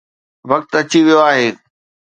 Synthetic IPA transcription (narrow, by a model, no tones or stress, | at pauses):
ʋɐk̚t̪ɐt͡ɕiʋijoaːɦeː